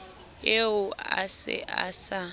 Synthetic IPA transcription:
eʊasɪ̰ʔasa

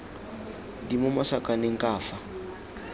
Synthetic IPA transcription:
dimɔmɔsakʼaneŋ̩kʼaːfa

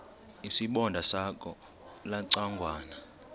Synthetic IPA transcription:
isiɓɔndʱasakʼɔ | laǀaŋɡʱwaːna

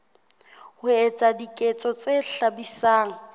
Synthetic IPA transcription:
hʊɛt͡sʼadikʼɛt͡sʼɔt͡seɬabisaːŋ̩

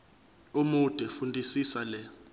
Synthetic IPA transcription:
umud̥ʱʼɛfundʱisisalɛ

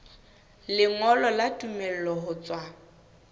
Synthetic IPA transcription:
lɪŋɔlɔlatʼumel̩lɔɦʊt͡sʼwa

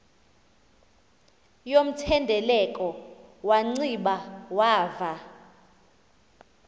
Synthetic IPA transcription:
jom̩tʰɛndʱɛlɛkʼɔwaŋ͡ǀiɓawaːva

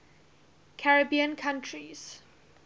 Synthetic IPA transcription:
kʰaɹəbiə̃nkʰãntʰɹiz̥

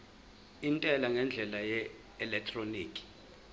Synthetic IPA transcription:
intʼɛlaŋɛnd͡ɮʱɛlajɛ | ɛlɛk̚tʰʼroniːkʼi̥

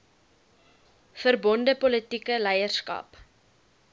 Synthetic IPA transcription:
fərbɔndəpɔlətikəlɛjərskɐ̰p

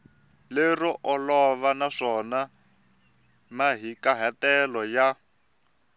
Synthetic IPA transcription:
lerɔʔɔlɔβanaʂɔna | maɦikaɦatɛlɔja

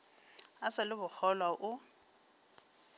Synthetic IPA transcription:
asɪlɪbʊk͡xɔlwaʔʊ

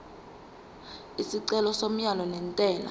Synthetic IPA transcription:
isiǀɛlɔsom̩jalɔnɛntʼɛːla̰

